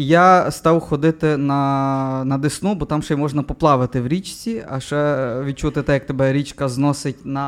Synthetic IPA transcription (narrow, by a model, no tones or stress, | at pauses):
jast̪ɑwxɔd̪ɪt̪ɪnɐnɐd̪ɪsnubɔt̪ɑmʃɛjmɔʒnɐpɔplˠɑʋɪt̪ɪwɾʲit͡ʃt͡sʲiɐ̰ʃɛʋʲid̪̚t͡ʃut̪ɪt̪ɛjɐk̚t̪ɔbɛɾʲit͡ʃkɐznɔsɪtʲnɐ